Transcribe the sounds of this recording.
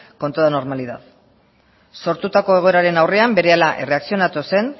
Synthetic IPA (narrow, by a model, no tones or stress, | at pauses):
kont̪oðano̞ɾmaliða̰ð | so̞ɾt̪ut̪ako̞e̞ɣ̞o̞e̞ɾaɾe̞nawre̞ambe̞ɾe̞alaʔe̞re̞aksio̞nat̪use̞n